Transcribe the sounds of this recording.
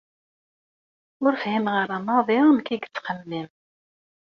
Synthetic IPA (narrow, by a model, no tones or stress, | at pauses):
ʊɾfhimʁəɾˤamɑðˤiʁmkiɡt͡sːqəlːim